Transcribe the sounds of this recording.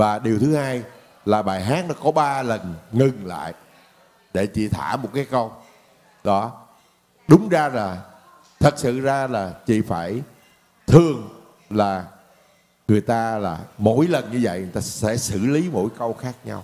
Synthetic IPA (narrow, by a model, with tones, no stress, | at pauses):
vaː˨˩ɗi˨˩əwt̪ʰɨ˨˦haː˧j | laː˨˩ɓaː˨˩jɦaː˨˦˥t̚nɔ˨˦kɔ˨˦ɓaː˧lə˨˩nŋɨ˨˩ŋla̰ː˧˨j | ɗe˧˩t͡ɕḭ˧˨t̪ʰaː˧˩mo˨˩t̚kaː˨˦jkə˧w | ɗɔ˨˦ | ɗʊ˨˦ŋ͡mzaː˧laː˨˩ | t̪ʰə˨˩t̚sɨ̰˧˨zaː˧laː˨˩t͡ɕḭ˧˨faː˧˩j | t̪ʰɨ˨˩əŋ | laː˨˩ | ŋɨ˨˩əjt̪aː˧la̰ː˨˩mo̰˧˥jlə˨˩nɲɨ˧və̰˧˨jjt̪aː˧sɛ̰˧˥sɨ̰˧˩˨li˨˦mo̰˧˥jkə˧wxaː˦˥k̚ɲa˧w